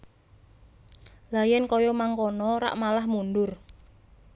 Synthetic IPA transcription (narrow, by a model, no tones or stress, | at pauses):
lajɛnkɔjɔmaŋkɔnɔɾa̰ʔmalahmunɖʊr